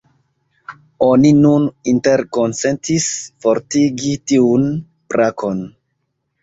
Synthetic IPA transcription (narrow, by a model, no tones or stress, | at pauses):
oninuninte̞ɾko̞nse̞ntisfo̞ɾtiɡitiun | pɾakʰo̞n